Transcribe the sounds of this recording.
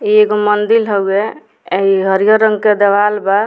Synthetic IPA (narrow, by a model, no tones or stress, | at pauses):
ieɡomənd̪ilɦəwe | iɦəɾijoɾəŋɡked̪ebalba